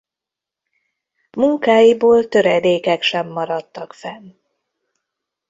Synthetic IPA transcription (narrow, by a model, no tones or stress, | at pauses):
muŋkaːjiboːlt̪ø̞ɾɛd̪eːkɛkʃɛmːɒɾɒt̪ːɒkfɛn